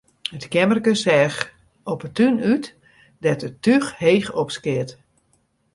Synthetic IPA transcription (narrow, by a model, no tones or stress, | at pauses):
ətkjɛmərkəsɛx | opətynyt | dɛtətyxheːxɔpskɪət